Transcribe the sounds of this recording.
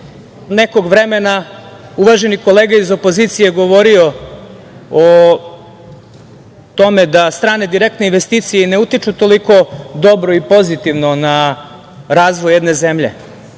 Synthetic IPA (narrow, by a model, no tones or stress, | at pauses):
neko̞ɡʋɾe̞mena | uʋaʒe̞niko̞leːɡaizopo̞zit̪sije̞ɡo̞ʋo̞ɾio̞ | o | t̪o̞me̞d̪ast̪ɾaːne̞d̪iɾekt̪neinʋe̞st̪iːt̪sijene̞ut̪it͡ʃut̪o̞liko̞d̪o̞bɾoipo̞zit̪iʋno̞na | ɾaːzʋojːed̪ne̞zemʎe̞̰